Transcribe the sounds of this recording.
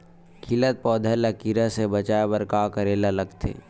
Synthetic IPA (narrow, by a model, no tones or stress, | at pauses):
kʰɪlət̪̚pɔːd̪ʱələkiɾasebət͡ʃaːebəɾkakəɾeːlaləɡt̪ʰḛː